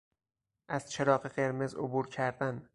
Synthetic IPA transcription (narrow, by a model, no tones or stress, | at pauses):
ʔæz̥t͡ʃʰe̞ɾɒːɢeɢe̞ɾmezo̰buːɾcʰæɾd̪æn